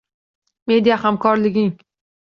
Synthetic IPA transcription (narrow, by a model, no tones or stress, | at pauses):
me̞d̪ijahamkʰɒɾlɪɡʲɪŋ